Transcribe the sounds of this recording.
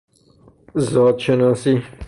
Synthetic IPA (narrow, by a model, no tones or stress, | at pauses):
zɔːd̪ʃenɔːsi